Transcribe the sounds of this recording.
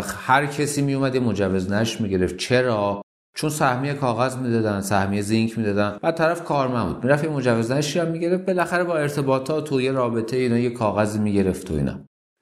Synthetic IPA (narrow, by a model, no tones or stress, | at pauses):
hæɾcʰesiːmijumæd̪jemod͡ʒævːe̞znæʃmiɟe̞ɾe̞ft̪̚t͡ʃʰe̞ɾɒː | t͡ʃʰonsæhmijekʰɒːɣæzmid̪ɒːd̪ænsæhmijezeŋcʰmiːd̪ɒːd̪ænbæd̪̚t̪ʰːæɾæfkʰɒːɾmænbṵːd̪̚miːɾæfjemo̞d͡ʒævːe̞znæʃijæmːiɟe̞ɾeft̪̚be̞læxæɾebɒːe̞ɾt̪ʰe̞bɒːt̪ʰɒːt̪ʰoje̞ɾɒːbe̞t̪ʰejiːnɒːjekʰɒːɣæziːmiɟe̞ɾe̞ft̪ʰoḭnɒ̰